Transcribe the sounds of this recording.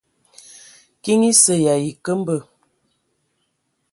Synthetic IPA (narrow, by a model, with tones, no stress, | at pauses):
ki˦ŋi˦sə˨ja˨ji˨kə˦m̩˦bə˨